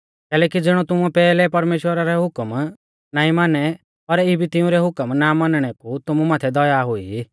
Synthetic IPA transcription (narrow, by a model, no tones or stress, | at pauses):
kɛːlɛːkid͡zɪɽ̃ɔt̪ʊmupɛːlɛpɐɾmeːʃwəɾaɾɛɦʊkəm | naːĩmaːnɛ | ɔɾibʱit̪ɪũɾɛɦʊkəmnamanɽ̃ɛkut̪ʊmumaːt̪ʰɛd̪ɔjaɦʊḭ